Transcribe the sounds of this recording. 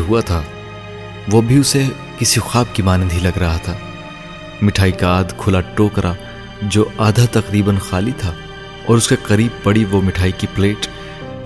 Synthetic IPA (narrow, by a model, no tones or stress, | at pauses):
ɦuat̪ʰaː | ʋobʱiʊse | kɪsixaːb̚kimaːnənd̪ʱilɐɡɾɐɦat̪ʰaː | mɪʈʰaːikaːd̪kʰʊlaʈoːkɾʔa | d͡ʒoːaːd̪ʱat̪ɐqɾiːbənxaːlit̪ʰaː | ɔ̰ːɾʊskeqɐɾiːb̚pɐɽiʋomɪʈʰaːikipleːʈ